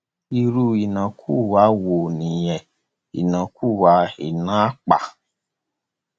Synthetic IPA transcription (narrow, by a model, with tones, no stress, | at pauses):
i˧ɾu˧i˨nã˨kʰu˦˨wa˨˦wo˨nĩ˨jɛ˨ | ḭ˨nã˨ku˦˨wa˨˦i˨nã˦k͡pa̰˨